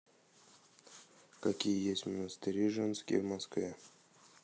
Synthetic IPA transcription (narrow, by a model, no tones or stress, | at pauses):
kakʲijəjesʲtʲmənəst̪ɨɾʲiʐɛnskʲɪ̰jvmaskvʲe